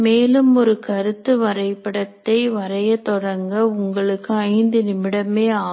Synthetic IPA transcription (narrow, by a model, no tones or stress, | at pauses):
meːlɯmɔɾɯkɐɾɯt̪ːɯʋɐɾɐɪpːɐɽɐt̪ːɐɪʋɐɾɐjɐt̪ɔɽɐŋɡɐʊŋɡɐɭɯkːɯɐɪnd̪ɯnɪmɪɽɐmeːaː